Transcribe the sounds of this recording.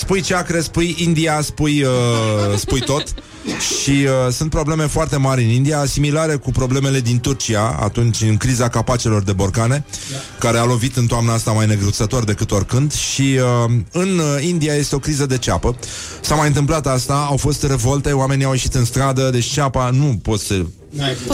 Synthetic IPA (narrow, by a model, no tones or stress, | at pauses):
spujt͡ʃeakɾe̞spujind̪iaspujəspujt̪o̞t̪ | ʃiəsunt̪pɾo̞ble̞me̞foart̪e̞maɾʲɨnind̪ijasimilaɾe̞kupɾo̞ble̞me̞le̞d̪int̪urt͡ʃiaa̰t̪unt͡ʃʲɨŋkɾizakapat͡ʃelo̞rd̪e̞bo̞rkane̞ | kaɾe̞alo̞vit̪ɨnt̪oamnəast̪amajne̞ɡɾut̪sət̪o̞rd̪e̞kɨt̪o̞rkɨnd̪ʃiəɨnind̪iaje̞st̪eo̞kɾizəd̪e̞t͡ʃapə | samajɨnt̪ɨmplat̪ast̪aawfo̞st̪re̞vo̞lt̪e̞oame̞niawjeʃit̪ɨnst̪ɾad̪əd̪e̞t͡ʃt͡ʃapanupo̞t̪sə